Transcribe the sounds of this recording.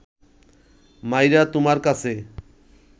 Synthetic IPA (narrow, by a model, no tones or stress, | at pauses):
majɾat̪umaɾkat͡sʰe